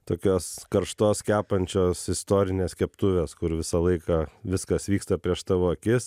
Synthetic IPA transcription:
t̪oːkʲoːskɐɾʃt̪oːskʲæːpɐnʲt͡ʃʲoːsɪst̪oːɾʲɪnʲeːskʲɛpt̪ʊʋʲeːskʊɾʋʲɪsɐlˠɐɪkɑʋʲɪskɐsʋʲiːkst̪ɐpʲɾʲiɛʃsɐʋoːɐkʲɪs

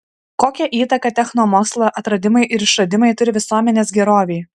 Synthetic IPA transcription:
koːkʲɛʔiːt̪ɐkɐt̪ʲɛxnoːmoːkslˠɐʔɐt̪ɾɐd̪ʲɪmɐɪʔɪɾɪʃɐd̪ʲɪmɐɪt̪ʊɾʲɪʋʲɪsuɔmʲɛnʲeːsɡʲɛɾoːʋʲɛɪ

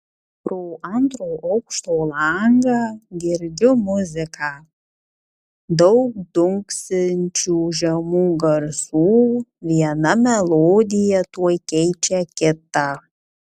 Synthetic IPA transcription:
pɾoːʔɐnt̪ɾoːʔɐʊkʃt̪oːlˠɐŋɡɑːɡʲɪɾʲd͡ʒ̪ʲʊmʊzʲɪkɑː | d̪ɒʊk̚d̪ʊŋksʲɪnʲt͡ʃʲuːʒʲɛmuːɡɐɾsuːʋʲiɛnɐmʲɛlˠoːd̪ʲɪjɛt̪uɔjkʲɛɪt͡ʃʲɛkʲɪt̪ɑ

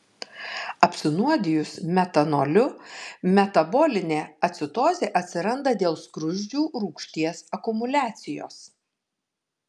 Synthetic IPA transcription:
ɐpʲsʲɪnuɔd̪ʲɪjʊsmʲɛt̪ɐnolʲʊmʲɛt̪ɐboːlʲɪnʲeːɐt̪ʲsʲɪt̪oːzʲeːʔɐt̪ʲsʲɪɾɐnd̪ɐd̪ʲeːlˠskɾʊʒʲd͡ʒʲuːɾuːkʃʲt̪ʲiɛsɐkʊmʊlʲæːt̪sʲɪjo̰ːs

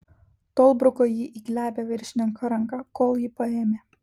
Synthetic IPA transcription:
t̪oːlˠbɾʊkoːjiʔiːɡlʲæːbʲeʋʲɪɾʲʃʲnʲɪŋkɐɾɐŋkɑkoːlˠjiːpɐeːmʲeː

